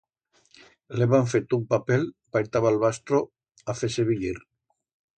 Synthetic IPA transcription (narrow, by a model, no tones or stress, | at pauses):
leβaɱfet̪umpapelpajt̪aβalβast̪ɾo | afeseβiʎiɾ